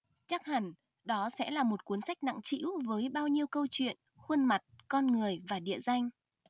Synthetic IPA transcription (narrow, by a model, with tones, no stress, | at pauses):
t͡ɕa˦˥k̚ha˨˧˩ŋ | ɗɔ˨˦sɛ̰˧˥laː˨˩mo˨˩t̚ku˨˦ənsa˦˥jk̚na̰˧˨ŋt͡ɕḭ˧˥wvəː˨˦jɓaː˧wɲi˧əwkə˧wt͡ɕwḭ˧˨ən | xwə˧nma˨˩t̚kɔ˧nŋɨ˨˩əjvaː˨˩ɗḭ˧˨əza˧jŋ̟